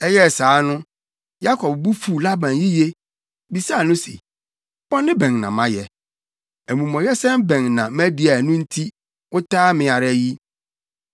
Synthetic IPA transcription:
ɛ˦jɛ˦˨saː˨˦nʊ̃˦ | ja˦kʰɔ˨b̚bu˦fu˨la˦bã˨nji˦je˦ | bi˨sa˦˨nʊ̃˦sḛ˨˦ | bɔ˦nɪ̃˦bɛ̃˨ŋnã̰˨mã˦jɛ˨ | æ˨mũ˨mɔ̃˨jɛ˦sɛ̃˦mbɛ̃˨ŋnã˨mæ̃˦di˨a˨nʊ̃˦n̩˦tʰi˦ | ʊ˦tʰaː˦mɪ̃˨a˨ɾa˦ji˦

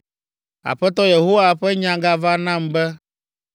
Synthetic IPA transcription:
a̰˨ɸɛ˦t̪̬ɔ˦je˨ɦo˦wa˨ɸɛ˦ɲã˨ɡa˨va˦nã˦˨mbɛ˦

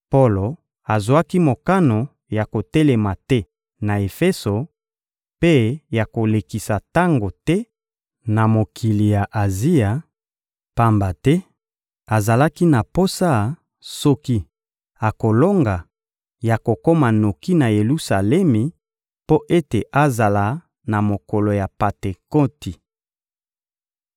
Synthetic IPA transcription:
po˦lo˨ | a˨zwa˦ki˦mo˨ka˦no˨ | ja˨ko˨tɛ˦le˨ma˨tɛ˦ | na˨e˨fe˦so˨ | pe˦ja˨ko˨le˨ki˨sa˨ta˦ŋɡo˨tɛ˦ | na˨mo˨kʰi˨li˨ja˨ʔa˨zi˦ja˨ | pa˦mba˨tɛ˦ | a˨za˨la˦ki˦na˨po˦sa˦˨ | sɔ˦ki˦ | a˨ko˨lo˦ŋɡa˨ | ja˨ko˨ko˦ma˨no˨ki˦na˨je˨lu˦sa˨lɛ˦mi˨ | po˦ʔe˦te˨ʔa˦za˨la˨ | na˨mo˨ko˨lo˨ja˨pa˨te˨ko˦ti˨

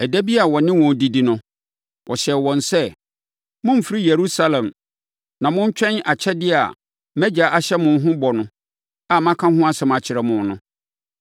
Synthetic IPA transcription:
æ˨dæ˦bi˦a˨wɔ˨nɪ̃˦wɔ̃˨n˨di˨˦di˨nʊ̃˦ | wʔɔ˨ɕɛ˨wɔ̃˨nsɛ˦ | mʊ̃˦m̩˨fi˦ɾi˦je˨ɾu˦sa˦lɛ̃˨m | nã˨mʊ̃˦n̩˦t͡ɕᶣɛ̃˦na˨t͡ɕʰɛ˦dɪ˦a̰˨ | mæ̃˦d͡ʑa˨ʔa˨ɕɛ˦mʊ̃˨n˦ɦʊ̃˦bɔ˨nʊ̃˨ | a˨mã˦kʰã˦ɦʊ̃˦a˦sɛ˨m˨a˨t͡ɕʰɪ˨ɾɛ˨mʊ̃˨n˦nʊ̃˨

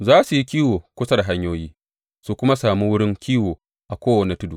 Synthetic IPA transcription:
zaː˦su˨ji˦kʲiː˦woː˨kʷʊ˦sɐ˦dɦa˦ɲjoː˦jiː˦ | su˨kʷʊ˦ma˦saː˨mi˦wʊ˦ɽɪ˦ŋkʲiː˦woː˨ | ʔa˨kʷoː˦wɐ˨ne˨tʊ˦du˨

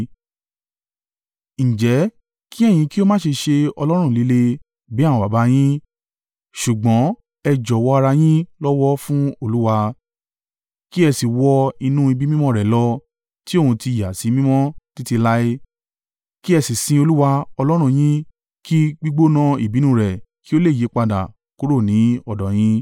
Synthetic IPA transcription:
ñ̩˨d͡ʒɛ˨˦ | ki˦ɛ˦˨j̃ĩ˨˧ki˦o˦mãː˦˨ʃe˧ʃe˧ɔ˧lɔ˦ɾ̃ũ˦˨li˨˦le˧ | bi˨˦ã˦˨ɔ̃˧ba˨ba˧˦j̃ĩ˦ | ʃu˨ɡ͡bɔ̃˨˦ | ɛ˧d͡ʒɔ˨wɔ˧a˧ɾa˧j̃ĩ˦lɔ˦wɔ˦fũ˦o˧lu˦wa˧ | ki˦ɛ˧si˨wɔ˧i˧nũ˦i˧bi˦mĩ˦mɔ̃˦ɾɛ˨lɔ˧ | ti˦o˦˨ũ˧ti˧˨ja˨si˨˦mĩ˦mɔ̃˦ti˦ti˧la˦e˦ | ki˦ɛ˧si˨sĩ˧o˧lu˦wa˧ɔ˧lɔ˦ɾ̃ũ˦˨j̃ĩ˦ | ki˦ɡ͡bi˦ɡ͡bo˦nã˧i˨bi˨˦nũ˦˨ɾɛ˨ki˦o˦le˦˨je˨˦k͡pa˧da̰˨ | ku˦ɾo˦˨nĩ˨˦ɔ˦˨dɔ˨j̃ĩ˦

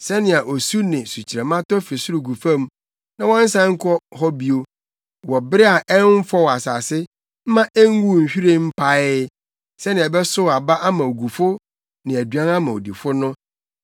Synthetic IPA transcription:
sɛ˦nɪ̃˨a˨ʔo˨su˦nɪ̃˨su˨t͡ɕʰi˨ɾɛ˨mã˦tɔ˦fɪ˨sʊ˦ɾu˨ɡu˨fã˦m˦ | nã˦wɔ̃˦n̩˦sã˦ŋ̩˦kʰɔ˦hɔ˦bi˨o˨ | wɔ˨bɪ˦ɾɪ˦a˨ʔɛ˦n˦fɔ˦wa˨saː˨sɪ˦ | m̩˦mã˦ʔɛ˦ŋ˦wu˦˨ɲ̩˨ɕᶣi˦ɾe˦m̩˦pʰa˨ɪ˦ | sɛ˦nɪ̃˨ɛ˨bɛ˦sʊ˦˨a˨ba˦ʔa˦mã˨o˨ɡu˨fʊ˦ | nɪ̃˨æ˨dɥã˦nã˦mã˨o̰˨di˨fʊ˦nʊ̃˦

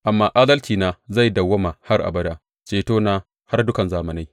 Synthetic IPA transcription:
ʔa˨mːaː˦ʔaː˦dɐ˦lt͡ʃiː˨naː˦za˦˨jdɐ˨wːɐ˦ma˨ha˦rʔa̰˨bɐ˦daː˦ | t͡ʃeː˨toː˦naː˦ | ha˦rdʊ˦kɐ˨nzaː˦mɐ˨na˦j

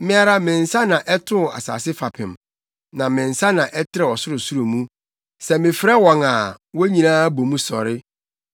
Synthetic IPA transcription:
mɪ̃˦a˨ɾa˦mɪ̃˨n̩˨sa˦nã˨ʔɛ˦tʰʊ̃˦˨a̰˨sa̰ː˨sɪ˦fa˨pʰɪ̃˨m | nã˨mɪ̃˨n̩˨sa˦nã˨ʔɛ˦tʰɪ˦ɾɛ˦˨ɔ˨sʊ˦ɾʊ˨su˦ɾo˨mũ˦ | sɛ˨mɪ̃˨fɾɛ˦wɔ̃˨ŋa˨wɔ˦ɲĩ˨nãː˦bo˨mũ˦sɔ̰˨ɾɪ˦

